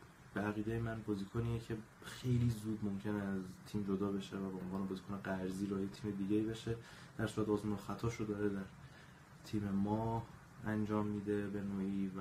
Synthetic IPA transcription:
b̥eæɣiːd̪ejemænbɒːziːkʰoniːecʰe̞ | xe̞jliːzuːd̪mo̞mcʰe̞neæzt̪ʰiːmd͡ʒod̪ɒːbe̞ʃevæbeonvɒːnebɒːzikone̞ɡæɾziːɾɒjet̪ʰiːme̞d̪iːɟe̞iːbe̞ʃe̞ | d̪̥æɾsuɾæt̪ɒːzmuːnoxæt̪ʰɒːʃod̪ɒːɾed̪æɾ | t̪ʰiːme̞mɒːh | ænd͡ʒɒːmːiːd̪e̞be̞noːʔiːvæ

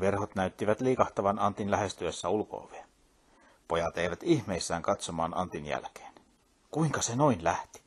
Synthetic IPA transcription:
ʋerhot̪næyt̪ːiʋæt̪liːkɑht̪ɑʋɑnɑnt̪inlæhest̪yøsːæulko̰ːʋee | pojɑt̪eˑiʋæt̪ihmeisːæːŋkɑt̪somɑ̰ːnɑ̰nt̪injæ̰lke̥ːn | kuiŋkɑsenoinlæht̪i̥

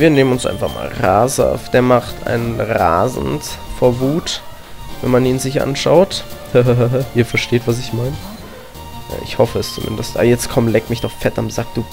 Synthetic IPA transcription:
viːɐneːmənʊnsʔa̰ɪnfaχma̰ːlʁaːz̰fd̥eːɐmaχtʰa̰ɪnʁa̰ːzn̩tfoːɐvuːt | vɛ̰nmaniːnzɪçʔa̰nʃaʊthəɦɦɦʔiːɐfɛɐʃteːtv̥as̬ɪçmaɪnə | ʔʔɪ̰çhɔfəɛst͡sumɪ̰ndəstʔa̰bɐjɛt͡stkʰɔmlɛkmɪçtaʊfp͡fɛtamz̥aːk̚d̥uː

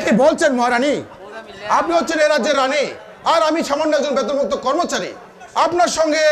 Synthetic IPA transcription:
kibolt͡ɕʰenmɔɦaɾani | apniɦott͡ɕʰeneɾadːd͡ʑeɾːani | aɾamiʃamonːaɾd͡ʑonbɛt̪̬oɾbok̚t̪okɔɾmot͡ɕaɾḭ | apnaɾʃɔŋɡe

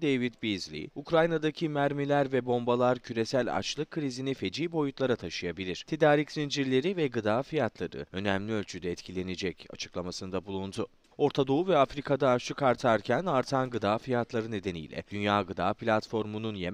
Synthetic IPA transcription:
d̪ejvit̪bizlʲḭukɾajnad̪acʰimæɾmilʲæɾvɛbo̞mbalˠaɾcʰyɾe̞sælʲa̰t͡ʃlˠɯkʰːɯɾizinife̞d͡ʒiːbo̞jut̪lˠaɾat̪ʰaʃɯjabilʲiɾ̥t̪ʰe̞d̪aːɾicsind͡ʒiɾlʲe̞ɾivɛɡɯd̪aːfijat̪lˠaɾɯ̰ø̞nɛmlʲiø̞lʲt͡ʃʰyd̪ɛːt̪cʰilʲe̞ned͡ʒɛca̰t͡ʃʰɯ̥klˠamasɯnd̪abulˠund̪u | o̞ɾt̪ʰad̪o̞uvɛafɾikʰad̪aːʃlˠɯkaɾt̪ʰaɾcʰænaɾt̪ʰanɡɯd̪aːfijat̪ʰlˠaɾɯne̞d̪e̞nḭjlʲɛ̰d̪̥ynjaːɡɯd̪aːplʲat̪fo̞ɾmununje̞m

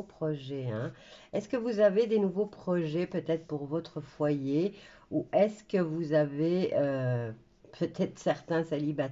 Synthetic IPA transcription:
pχɔʒɛɛ̃ɛskəvuzaved̪enuvopχɔʒɛpøt̪ɛt̪χpuʁvɔt̪χəfwaje | uʔɛskəvuzaveø | pʰøt̪ʰɛt̪χə̥sɛʁt̪ɛ̃saliba

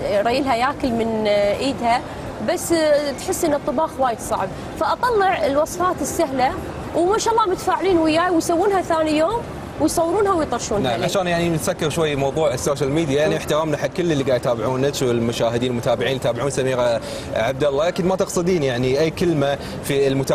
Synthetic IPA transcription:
ɾˤɑjɪlɦajaːkɪlmɪnʔiːd̪ha | basːt̪ħɪsːʔɪnːat̪ˤːɨbɑːxwaːjɪd̪sˤɑ̰ʕb̚ | faʔɑt̪ˤɑlːɪʕɪlwɑsˤfaːt̪ɪsːaɦla | wmaːʃaːʔɑlˤːɑːmʊt̪ḁfaːʕɪliːnwɪjaːjwɪjsawːuːnhaθaːnijoːm | wɪjsˤɑwːɾuːnhawjt̪ˤɑɾˤʃuːnnaaʕaʃaːnjaʕnit̪sakːɪɾʃwajːmɑwðˤuːʕɪsːoːʃalmiːd̪jajaʕniɪħt̪ɪɾaːmnaħakɪlːɪlːiɡaːjt̪aːbɪʕuːnɪswɪlmʊʃaːhɪd̪iːnmʊt̪aːbɪʕiːnjt̪aːbɪʕuːnsamiːɣa | ʕab̚d̪alːɑːkɪd̪mat̪ɨqsˤɨd̪iːnjaʕniʔajːkɪlma | filmʊt̪a

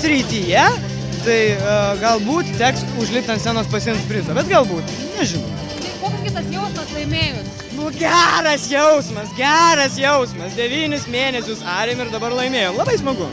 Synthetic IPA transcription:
sʲɾʲit̪ʲiːjɛ | t̪ɐɪɡɐlˠbuːt̪t̪ʲæːksʊʒʲlʲɪpʲt̪ɐnt̪sʲæːnoːspɐsʲɪnspʲɾʲɪzɐːbʲɛt̪ɡɐlˠbuːt̪ | nʲɛʒʲɪnɐʊ | koːkʲskʲɪt̪ɐsjɛʊsmɐslˠɐɪmʲeːjoːs | nʊɡʲæːɾɐsjɛʊsmɐsɡʲæːɾɐsjɛʊsmɐsd̪ʲɛʋʲiːnʲɪsmʲeːnʲɛsʲʊsɑːɾʲejmɪɾd̪ɐbɐrlˠɐɪmʲeːjoːmlˠɐbɐɪsmɐɡʊ

